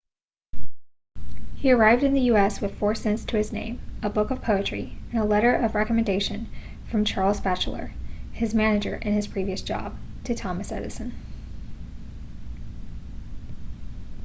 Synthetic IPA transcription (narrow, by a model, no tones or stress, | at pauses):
hiə˞aɪvdɨ̃nðɨjʉɛswɨð̥fɔɹsɛ̃ntstʰɨɨznḛ̃ɪ̃məbʊkʌv̥pʰoʊɨt͡ʃɹ̥ḭɨ̃nəlɛɾə˞ʔʌvɹɛkəmɨ̃ndeɪʃɨ̃n | fɹʌ̃mt͡ʃʰɑɹlˠzbæt͡ʃl̩ˠə̰˞ɨzmænɨd͡ʒə̰˞ʔɨ̃nɨz̥pʰɹ̥iviɨsd̥ʒ̥ɑ̰b̥̚tʰɨtʰɑmɨsɛ̰ɾɨsɨ̃n